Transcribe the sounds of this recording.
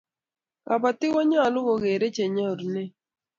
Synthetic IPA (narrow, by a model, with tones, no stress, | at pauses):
ka˨pa˨t̪ɪ˦wɔ˦ɲa˦˨lʊ˦ɣɔ˨ɣe˨ɾe˦t͡ʃe˨ɲɔ˦˨ɾne˦